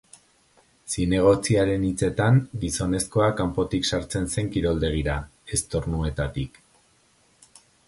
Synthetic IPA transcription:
sine̞ɣ̞o̞t͡siaɾe̞nit͡se̞t̪aŋɡiso̞ne̞sko̞akampo̞t̪iksaɾt͡se̞nse̞ŋkiɾo̞ld̪e̞ɣ̞iɾae̞st̪o̞ɾnue̞t̪at̪ik

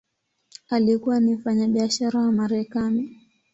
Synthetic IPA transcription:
alikuwanim̩faɲaɓiaʃaɾawamaɾɛkani

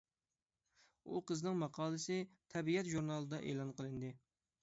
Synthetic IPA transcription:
ṵqəznɨŋmɑqʰɑːlˠɨsɪt̪ʰɛbiɛt̪ʒuɾnɑlˠɨd̪ɑʔḛːlˠɑnqʰəlˠɨnd̪ɨ

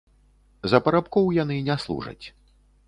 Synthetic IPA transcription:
zɐpɐɾapkɔwjanɨnʲɛslˠṵʐɐ̰t͡sʲ

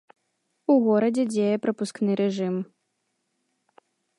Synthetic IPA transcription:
uɣɔɾɐd͡zʲɛd͡zʲejɛpɾɐpusknɨɾʔɛʐɨm

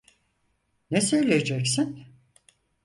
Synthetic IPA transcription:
nɛsøjlʲejed͡ʒɛksin

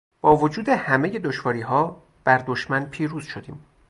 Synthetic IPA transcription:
b̥ɒːvo̞d͡ʒuːd̪e̞hæme̞je̞d̪oʃvɒːɾiːɦɒː | b̥æɾd̪o̞ʃmænpʰiːɾuːz̥ʃod̪iːm

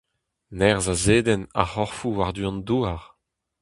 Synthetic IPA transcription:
nɛʁzazeːd̪ɛna̰ʁɔʁfuwaʁd̪yɔ̃nd̪uːaʁ

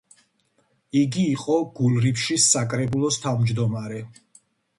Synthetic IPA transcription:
iɡiːqʼɔɡ̥ulˠɾipʃisːakʼɾɛbulˠɔst̪ʰavmd͡ʒd̪ɔmaɾɛ

